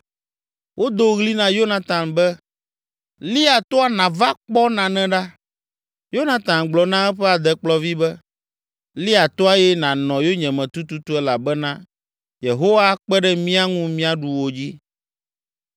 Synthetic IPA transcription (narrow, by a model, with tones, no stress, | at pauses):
wʔo˦d̪o˦ɣli˦nã˨jo˦nã˨t̪ã˨mbɛ˦ | li˦a˨t̪o˦a˨nã˨va˦k͡pɔ˦nã˨nɛ̃˦ɖa˦ | jo˦nã˨t̪ã˨mɡ͡blɔ˨nã˦ɛ˦ɸɛ˦a˨d̪ɛ˦k͡plɔ˦vi˦bɛ˦ | li˦a˨t̪o˦a˦jɛ˦nã˨nɔ̃˨jo˦ɲɛ̃˨mɛ̃˨t̪u˦t̪u˦t̪u˦ɛ˦la˨bɛ˦nã˦ | je˨ɦo˦wa˦k͡pɛ˦ɖɛ˦mĩ˦a˦ŋũ˦mĩ˦a˦ɖu˨wo˨d͡ʑi˦